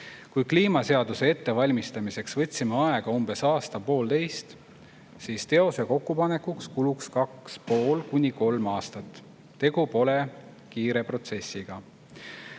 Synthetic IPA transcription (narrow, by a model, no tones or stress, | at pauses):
kujkliːmɑse̞ɑd̪̥use̞e̞t̪ːe̞vɑlʲmist̪ɑmise̞ksvɤt̪ʲsimeɑe̞ɡ̥ɑumb̥e̞sɑːst̪ɑpo̞ːldt̪e̞jst̪ | siːst̪e̞o̞se̞ko̞kːupɑne̞kːukskulukskɑkspo̞ːlkunʲiko̞lmɑːst̪ɑt̪ː | e̞ɡ̥upo̞le̞ | kiːɾe̞pro̞t̪se̞sʲːiɡ̥ɑ